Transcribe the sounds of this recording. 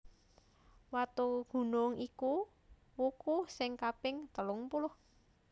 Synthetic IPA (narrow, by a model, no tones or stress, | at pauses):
wat̪uɡ̥ṳnʊŋʔiku | wukusɪŋkapɪŋt̪əlʊŋpulʊh